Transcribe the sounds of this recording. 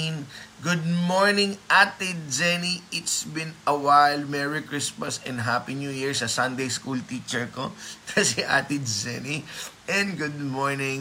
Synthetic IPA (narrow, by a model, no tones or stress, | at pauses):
nɡʊd̪̚moɹnɪ̃ŋʔat̪ɪd̪̚d͡ʒɛniɪt̪sbɪ̃nɐwajlmɛɹikɹɪsmɐsɛ̃nɦapinuːjiɹsɐsɐ̃nd̪ejskult̪it͡ʃɛɹko̰kʰɐsɛʔa̰t̪ɪd̪d͡ʒɛ̰niʔɛ̃nɡʊd̪̚moɹnɪ̃ŋ